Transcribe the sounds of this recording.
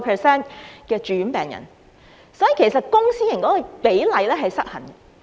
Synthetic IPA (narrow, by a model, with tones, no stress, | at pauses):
pʰɛː˨sɛː˥nkɛː˧t͡ʃyː˨˥npɛː˨˩ŋjɐ̰˨˩n | sɔː˨˥jiː˨kʰe˨˩jsɐ˨t̚kʊ˥ŋsiː˥jɐ˨˩nkɔː˨˥kɔ˨˧pe˨˥jlɐ˨˧jlɛː˥ɦɐ˨jsɐ˥t̚hɐ˨˩nɡɐ˧